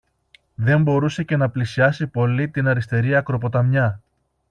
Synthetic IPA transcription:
ðe̞mbo̞ɾuse̞ce̞nɐplisiɐsipo̞lit̪inɐɾist̪e̞ɾiɐkɾo̞po̞t̪ɐmɲɐ

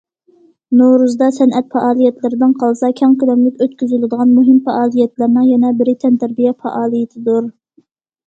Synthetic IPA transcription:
noɾuzd̪ɑsɛnʔɛt̪̚fɑʔɑːlˠijɛt̪lɪɾɪd̪ɪnqʰɑlˠɨsɑkʲʰɑŋkʲilˠomlɪkʲøt̪kʲyzylɪd̪əʁɑnmuɦɪmfɑʔɑːlˠijɛt̪læɾnɨŋjɛnɛbɪɾɪt̪ʰɛnt̪ʰæɾbijɛfɑ̰ʔɑːlˠijɪt̪ʰɪd̪uɾ

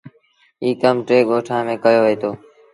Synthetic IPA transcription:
iːkəmʈɾeːɠoːʈʰãːmẽːkəjoːʋeːt̪ʰoː

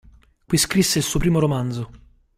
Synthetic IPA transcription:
kwiskɾisːeilsuːopɾiːmoɾomand̪zo

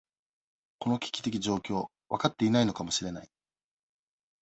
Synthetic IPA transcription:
ko̞no̞kʲi̥kʲi̥t̪e̞kʲiʑo̞ːkʲo̞ː | βakat̪ːe̞inaino̞kamo̞ɕiɾe̞nai

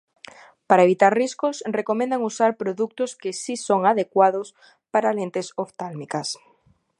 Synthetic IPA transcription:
paɾaeβ̞it̪aɾriskosrekomẽnd̪aŋusaɾpɾoðuk̚t̪oskesisoŋaðekwað̞os | paɾalent̪esoft̪almikas

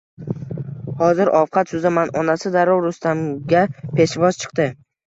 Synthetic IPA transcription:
hɒzɪɾʔɒfqʰɑt̪sʊzamanɒnasɪd̪aɾɒwɾʊst̪amɡʲapʰe̞ʃvɒz̥t͡ʃʰɨ̥qt̪ɪ

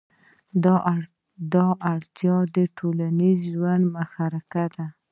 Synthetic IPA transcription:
d̪ɑʔaɽt̪jɑd̪əʈʰolanizʒwand̪maxaɾakad̪a

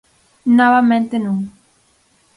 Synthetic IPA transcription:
nɔβamẽnt̪enũŋ

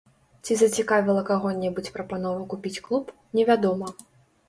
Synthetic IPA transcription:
t͡sʲizɐt͡sʲikavʲilˠɐkaɣɔnʲɛbut͡sʲpɾɐpanɔvɐkupʲit͡sʲklˠup | nʲɛvʲad̪ɔmɐ

